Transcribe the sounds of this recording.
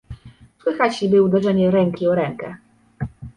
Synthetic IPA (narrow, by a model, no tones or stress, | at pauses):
swɘxat͡ɕibɘud̪ɛʐɛɲɛɾɛŋkʲiɔɾɛŋkɛ